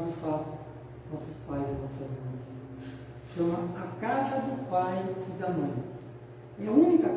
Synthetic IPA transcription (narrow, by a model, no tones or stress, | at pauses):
d͡ʒ̪ɪfat̪ʊ | nɔsʊspajzɪnɔsɐzmɐ̃j̃s | ʃɐ̃mɐɐkazɐd̪ʊpajɪd̪ɐmɐ̃j̃ | ɛɐũnikɐ